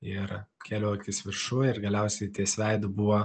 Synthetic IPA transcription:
ɪɾkʲeːlʲoːkʲɪsʋʲɪɾʃuɪɾɡɐlʲɛʊsʲɛɪt̪ʲiɛsʲʋʲæɪd̪ʊbuʋoː

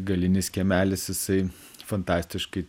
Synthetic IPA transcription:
ɡɐlʲɪnʲɪskʲɛmʲæːlʲɪsjɪsɐɪ | fɐnt̪ɑːsʲt̪ʲɪʃkɐɪ

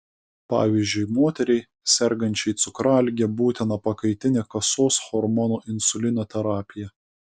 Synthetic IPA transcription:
pɑ̰ːʋʲiːzʲd͡ʒʲʊɪmoːt̪ʲɛɾʲɛɪ | sʲɛɾɡɐnʲt͡ʃʲɛɪt̪sʊkɾɑːlʲɡʲɛbuːt̪ʲɪnɐpɐkɐɪt̪ʲɪnʲekɐsoːsxɔɾmɔnoːʔɪnsʊlʲɪnʲɛt̪ʲɛɾɑːpʲɪjɛ

